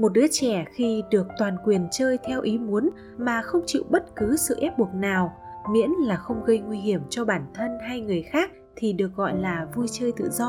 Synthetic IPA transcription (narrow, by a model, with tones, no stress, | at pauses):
mo˨˩t̚ɗɨ˨˦ət͡ɕɛ˧˩xi˧ɗɨ˨˩ək̚t̪waː˨˩nkwi˨˩ənt͡ɕəː˧jt̪ʰɛ˧wʔi˨˦mu˨˦ən | maː˨˩xə˧wŋ͡mt͡ɕḭ˧˨wɓə˦˥t̚kɨ˨˦sɨ̰˧˨ʔɛ˦˥p̚ɓu˨˩ək̚naː˨˩wmḭ˧˥ənlaː˨˩xə˧wŋ͡mɣə˧jŋwi˧ɦi˧˩əmt͡ɕɔ˧ɓaː˧˩nt̪ʰə˧nɦa˧jŋɨ˨˩əjxaː˦˥k̚ | t̪ʰi˨˩ɗɨ˨˩ə˩k̚ɣɔ̰˧˨jlaː˨˩vu˧jt͡ɕəː˧jt̪ɨ̰˧˨zɔ˧